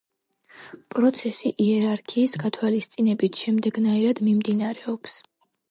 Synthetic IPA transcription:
pʼɾɔt̪sʰɛsiʔiɛɾaɾkʰiːsɡat̪ʰwalist̪sʼinɛbit̪ʰʃɛmd̪ɛɡnaiɾad̪mimd̪inaɾɛɔps

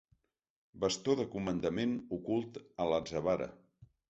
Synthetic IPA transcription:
bəst̪oðəkumənd̪əmenukulˠt̪əlazəβaɾə̰

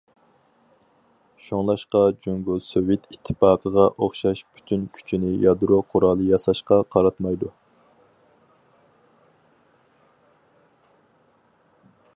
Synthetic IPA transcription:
ʃoŋlˠɑʃqɑd͡ʒoŋɡulˠsøwet̪ʰit̪ʰːɨ̥pɑːqʰəʁɑʔoχʃɑʃpʰy̥t̪ʰynkʲʰy̥t͡ʃʰinɪjɑd̪ɾoqʰʊɾɑːlˠɨjɑsɑʃqɑqʰɑɾɑt̪mɑjd̪u

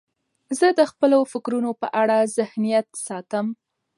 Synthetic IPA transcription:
zəd̪əxpəlofɪkɾunopə̰ʔaɽazɪhnijat̪sɑt̪əm

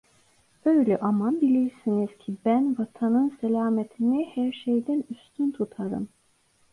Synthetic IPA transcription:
øjlʲɛʔamabilʲiɾsiniz̥cʰibænvat̪ʰanɯnsɛlʲaːmet̪ʰinihæɾʃejd̪ænyst̪ʰynt̪ʰut̪ʰaɾɯ̰m

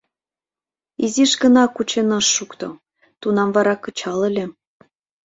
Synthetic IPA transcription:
iziʃkə̆nɑkut͡ɕenɤʃːukt̪o̰ | t̪unɑmβɑɾɑkɤ̆t͡ɕɑlelʲĕ

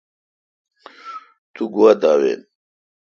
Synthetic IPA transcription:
t̪uɡuwad̪aːwḛ

